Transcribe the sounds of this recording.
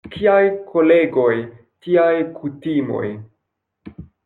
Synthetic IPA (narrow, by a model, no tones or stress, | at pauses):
kʰiajkʰo̞le̞ɡo̞j | tiajkʰutimo̞̰j